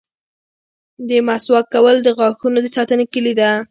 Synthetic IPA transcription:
d̪əmaswɑkawəld̪əɣɑxunod̪əsɑt̪ənekəlid̪a

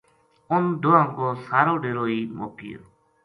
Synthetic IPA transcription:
ʊnɖ̪oːãːŋkoːsaːɾoːɖeːɾoːiːmo̰ːkɪ̰jo̰ː

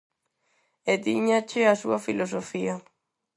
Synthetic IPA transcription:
et̪iɲat͡ʃɪasuɐfilosofiɐ

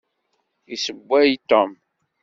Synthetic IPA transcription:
isəbʷːæjt̪ːom

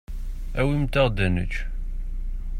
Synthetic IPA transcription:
æwimt̪əʁd̪ænə̰t͡ʃ

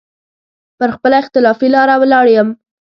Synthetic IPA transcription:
pəɾxpəlaɪxt̪ɪlɑfilɑɾawəlɑɽjəm

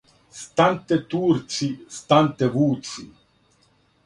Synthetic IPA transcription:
st̪ant̪ɛt̪uːɾt͡sist̪ant̪ɛʋuːt͡sḭ

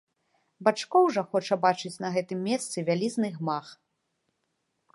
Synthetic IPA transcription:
bat͡ʂkɔwʐɐxɔt͡ʂɐbat͡ʂɨt͡sʲnɐɣɛt̪ɨmːʲɛst̪sɨvʲalʲiznɨɣmax

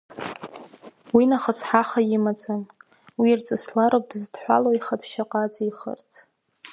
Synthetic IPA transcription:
winaχət͡sʰħaχajɪmad͡zʼam | wirt͡sʼɨslaɾop̚ʼdɨzdħʷa̰loiχapʰʃaqʼat͡sʼiχə̰rt͡sʰ

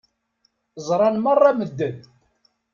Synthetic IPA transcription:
zˤɾˤɑnmərˤːɑməd̪ːən

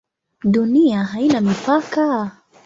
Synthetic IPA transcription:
duniaɦainamipaka

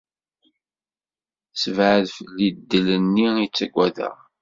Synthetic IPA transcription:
səvʕəðfəlːid̪ːələnːiit͡sːæɡʷæðə̰ʁ

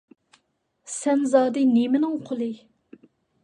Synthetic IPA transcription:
sɛnzɑːd̪ɨnemɪnɪŋqʰolˠɨ

